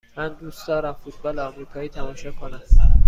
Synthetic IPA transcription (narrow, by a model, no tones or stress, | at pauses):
mænd̪uːsd̪̥ɒːɾæmfut̪̚ʰbɒːleɒːmɾiːkʰɒːjiːt̪ʰæmɒːʃɒːkʰonæm